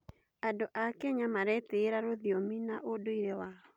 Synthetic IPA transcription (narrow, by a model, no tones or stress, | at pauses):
adoʔakɛɲamaɾɛteːɾaɾoðiominaʔodoiɾewaɔ